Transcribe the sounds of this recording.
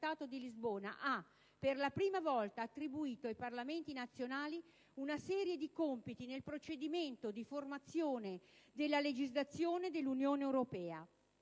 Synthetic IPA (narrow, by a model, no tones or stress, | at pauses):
aːt̪od̪ilizboːna̰ʔa | perlapɾiːmavɔlt̪aːt̪ːɾibuiːt̪oajparlament̪inat̪sːjonaːli | unasɛːɾjed̪ikompit̪inelpɾot͡ʃed̪iment̪od̪iformat̪sːjoːned̪elːaled͡ʒizlat̪sːjoːned̪elːunjoːneːwɾopɛːa̰